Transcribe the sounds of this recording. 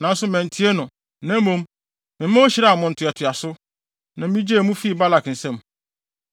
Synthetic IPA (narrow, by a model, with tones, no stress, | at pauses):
nã˨n̩˦sʊ˦mɛ̃˨n˨tʰi˦e˦nʊ̃˨ | nã˨˦mõ˦m | mɪ̃˨mæ̃˦wo˦ɕɪ˨ɾa˦a˨mʊ̃˨n̩˨tʰʊ˨ɛ˨tʰʊ˨a˨sʊ˦ | nã˨mĩ˦d͡ʑe˦˨mũ˦fi˦˨ba˦la˨kn̩˨sɛ̃˦˨m